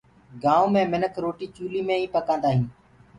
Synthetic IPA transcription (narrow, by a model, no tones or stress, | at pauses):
ɡãːõːmẽːmɪnəkʰɾoːʈiːt͡ʃuːliːmẽːĩːpəkãːnd̪aːɦĩː